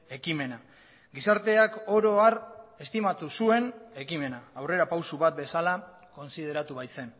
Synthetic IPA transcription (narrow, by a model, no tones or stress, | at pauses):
e̞kime̞na | ɡisaɾt̪e̞ako̞ɾo̞are̞st̪imat̪usue̞ne̞kime̞naːwre̞ɾapawsuβat̪̚be̞sala | ko̞nsið̞e̞ɾat̪uβajt͡se̞n